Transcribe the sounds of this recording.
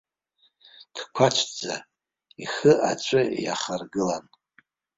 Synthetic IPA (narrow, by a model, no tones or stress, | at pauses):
d̥kʷʰat͡ʃʷʰd͡za̰ | iχɨʔat͡ʃʷʰʼɨja̰χarɡɨlan